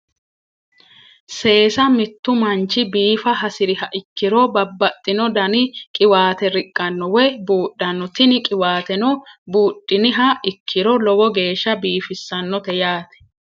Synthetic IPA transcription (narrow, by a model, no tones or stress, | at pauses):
se̞ːsɐmɪt̪ːʊmɐnt͡ʃɪbiːfɐɦɐsɪɾɪɦɐʔɪkːɪɾɔbɐbːɐt̪ʼːɪnɔd̪ɐnɪkʼɪwaːt̪ɛɾɪkʼːɐnːɔwɛbuːɗːɐnːɔt̪ɪnɪkʼɪwaːt̪ɛnɔbuːᶑːɪnɪɦɐʔɪkʰːɪɾɔlɔwɔɡe̞ːʃːɐbiːfɪsːɐnːɔt̪ɛjaːt̪ɛ̥